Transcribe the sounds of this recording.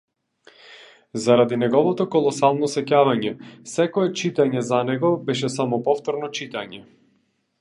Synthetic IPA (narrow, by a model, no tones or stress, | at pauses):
zaɾad̪inɛɡɔvɔt̪ɔkɔlˠɔsalˠnɔsɛcavaɲɛsɛkɔɛt͡ʃit̪aɲɛzanɛɡɔbɛʃɛsamɔpɔft̪ɔɾnɔt͡ʃit̪aɲɛ